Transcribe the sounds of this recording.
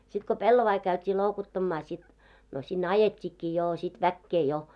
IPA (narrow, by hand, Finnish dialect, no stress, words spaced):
sit ko pelːoʋɑi kæytʲiː loˑukotːɑmːɑː sit no sinː ɑjetʲːikːiː joː sit ʋækːeː jo